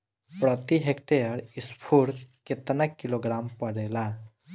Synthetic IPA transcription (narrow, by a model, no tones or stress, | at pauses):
pɾɔt̪iɦekʈejəɾispʰuɽket̪nakːiloɡɾampɔɽela